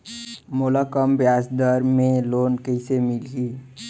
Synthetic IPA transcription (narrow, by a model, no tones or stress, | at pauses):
mʊləkəmbjaːsd̪əɾmẽloːnkəɪsemɪlɡiː